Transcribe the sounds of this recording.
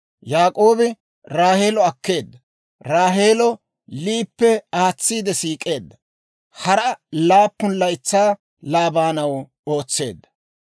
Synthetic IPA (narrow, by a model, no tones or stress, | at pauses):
jaːkʼo̞ːbɪ | ɾaːhe̞ːlɔɐkːe̞ːd̪ːɐ | ɾaːɦe̞ːlɔ | liːpːɛaːt͡sːiːd̪ɛsiːkʼːe̞ːd̪ːɐ | hɐɾɐlaːpːʊnlɐjt͡sːaː | laːbaːnɐw | o̞ːt͡sːe̞ːd̪ːɐ̥